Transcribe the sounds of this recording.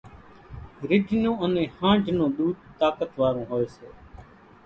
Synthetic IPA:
ɾɪɖʱnõːənẽːhãːɳɖʱnõːɗ̪uːd̪̚t̪aːkət̪ʋaːɾõːɦoːeːseː

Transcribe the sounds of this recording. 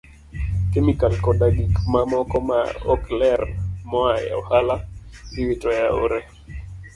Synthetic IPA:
kemikalkɔdaɡikmamɔkɔma̰ɔklɛrmɔaja̰ɔhalasiwitɔjao̰ɾɛ

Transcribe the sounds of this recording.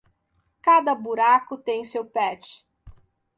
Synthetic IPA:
kad̪ɐbuɾakʊt̪ẽj̃sewpɛt͡ʃɪ̥

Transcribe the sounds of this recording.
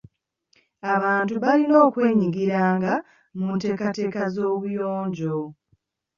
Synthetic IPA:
aβaːntuβalino̞ːkwe̞ːɲiɡiɾaːŋɡa | munte̞ːkate̞ːkazo̞ːβujo̞ːɲɟo̞

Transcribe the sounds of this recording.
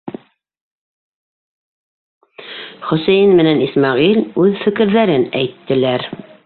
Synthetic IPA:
χɵ̆sæjɘnmɘ̆nænismɑʁilʉðfɘ̆kɘ̆ɾðæɾɘnæjt̪ːɘ̆læɾ

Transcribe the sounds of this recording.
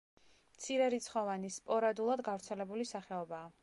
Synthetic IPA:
mt̪sʰiɾɛɾit̪sʰχɔvanispʼɔɾad̪ulˠad̪ɡavɾt̪sʰɛlɛbulisaχɛɔbaː

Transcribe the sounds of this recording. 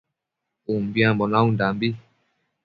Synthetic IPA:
umbiãmbɔnãũndambi

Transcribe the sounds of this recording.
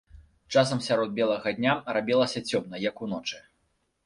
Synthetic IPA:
t͡ʂasɐmsʲaɾɔd̪̚bʲɛlˠɐɣɐd̪ʲnʲarabʲɛlˠɐsʲɐt͡sʲɔmnɐjɐkunɔt͡ʂɨ

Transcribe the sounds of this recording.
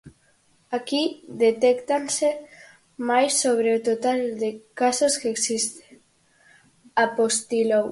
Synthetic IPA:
akiðet̪ekt̪anse | majsːoβ̞ɾeot̪ot̪ald̪ekasoskeksist̪e̥ | apost̪ilow

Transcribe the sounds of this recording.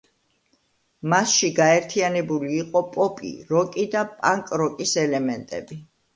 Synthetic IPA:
masʃiɡaɛɾt̪ʰianɛbuliːqʼɔpʼɔpʼḭɾɔkʼid̪apʼaŋkʼɾɔkʼisɛlɛmɛnt̪ʼɛ̰bi

